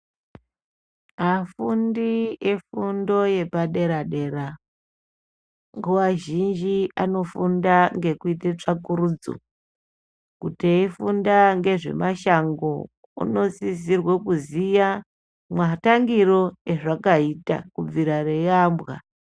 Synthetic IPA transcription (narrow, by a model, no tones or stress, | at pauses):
afundiefundo̞je̞paɗe̞ɾaɗe̞ɾa | ŋɡuwaʒind͡ʒiano̞fundaŋɡe̞kuitet͡ʂakuɾud͡zo̰ | kuteifundaŋɡe̞ʐe̞̰maʃaŋɡo | ṵno̞sisirwekuzija | mwataŋɡiɾo̞e̞ʐakaita̰kub͡viɾare̞jambɣa̰